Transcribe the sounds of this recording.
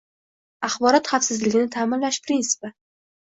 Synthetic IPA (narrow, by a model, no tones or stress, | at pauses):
aχbɒɾɒt̪χafsɪzlɪɡʲɪnɪt̪ʰaːmɪnlaʃpɾinsɪ̥pɪ